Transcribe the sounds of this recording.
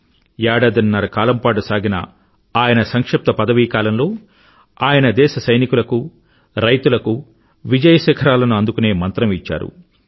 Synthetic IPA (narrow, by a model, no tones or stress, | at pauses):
jaːɽɐd̪ɐnːɐɾɐkaːlɐmpaːʈusaːɡinɐ̰ | aːjɐnɐsɐŋkʂɐp̚t̪ɐpɐd̪ɐʋiːkaːlɐmlo̞ː | aːjɐnɐd̪ɛːʃɐsɐjnikulɐku | ɾɐjt̪ulɐku | ʋid͡ʒɐjɐʃɛːkʰɐɾaːlɐnuɐnd̪ukune̞ːmɐnt̪ɾɐmit͡ʃːa̰ːɾṵ